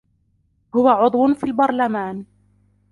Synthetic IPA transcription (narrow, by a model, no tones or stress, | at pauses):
hʊwaʕʊd̪ˤwʊnfiːlbɑɾˤlamaːn